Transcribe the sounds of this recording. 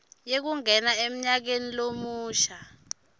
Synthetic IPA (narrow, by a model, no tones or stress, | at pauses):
jek̬uŋɛnaem̩ɲak̬enilomuːʃa